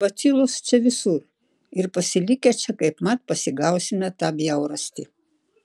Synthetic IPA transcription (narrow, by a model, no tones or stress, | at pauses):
bɐt̪sʲilˠʊst͡ʃʲɛʋʲɪsuɾ | ɪɾpɐsʲɪlʲɪkʲɛt͡ʃʲɛkɐɪpmɐt̪pɐsʲɪɡɐʊsʲɪmʲɛt̪ɑːbʲjɛʊɾɐsʲt̪ʲi